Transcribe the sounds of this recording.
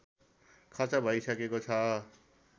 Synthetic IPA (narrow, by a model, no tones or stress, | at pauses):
kʰʌrt͡sabʱʌisʌkekoʌ